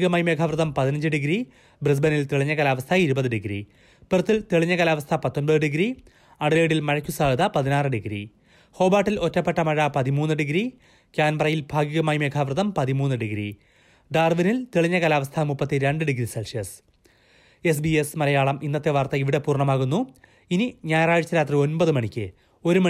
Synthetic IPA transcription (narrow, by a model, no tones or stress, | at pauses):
iɣɐmaːjme̞ːkʰaʋrɨðɐmpɐðinɐɲd͡ʑɨɖiɡɾi | bris̬bɐnilt̪eɭiɲːɐɣɐlaːʋɐst̪ʰɐiɾubɐðɨɖiɡɾḭ | pert̪ːilt̪eɭiɲːɐkɐlaːʋɐst̪ʰɐpɐt̪ːo̞nbɐðɨɖiɡɾi | ɐɽɨleːɽilmɐɻɐkʲːusaːlðɐpɐðinaːrɨɖiɡɾḭ | ho̞ːbaːʈːilo̞tːɐpːeʈːɐmɐɻɐpɐðimuːnːɨɖiɡɾi | kʲaːnbɐrɐjilbʱaːɡiɣɐmaːjimeːkʰaːʋrɨðɐmpɐðimuːnːɨɖiɡɾḭ | ɖaːrʋinilt̪eɭiɲːɐɣɐlaːʋɐst̪ʰɐmupːɐt̪ːiɾeɳɖɨɖiɡɾiselʂjɐs | e̞s̬biesmɐlɐjaːɭɐmʔinːɐt̪ːe̞ʋart̪ɐiʋiɽepuːrɳɐmaːɣunːu | iniɲaːjɐraːɻt͡ɕːɐɾaːt̪rio̞nbɐðɨmɐɳikʲːɨ | o̞ɾumɐ